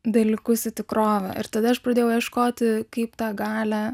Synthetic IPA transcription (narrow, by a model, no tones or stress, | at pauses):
d̪ɐlʲɪkʊsʲɪt̪ʲɪkɾoːʋʲɛ̰ʔɪɾt̪ɐd̪ɐɐʃpɾɐd̪ʲeːjɛʊjɛʃkoːt̪ʲɪkɐɪpt̪ɑːɡɑːlʲæ